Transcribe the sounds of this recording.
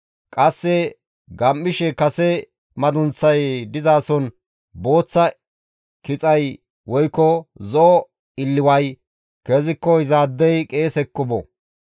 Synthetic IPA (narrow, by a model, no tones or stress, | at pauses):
kʼɐsːɛ | ɡɐmːɪʃɛkɐsɛ | mɐd̪ʊnt͡sːɐjd̪ɪzaːsɔn | bo̞ːt͡sːɐ | kɪt͡sʼɐj | wɔjkːɔzɔː | ɪlːɪwɐj | keːzɪkːɔhɪzaːd̪ːɛjkʼeːsɛkːʊbɔ̰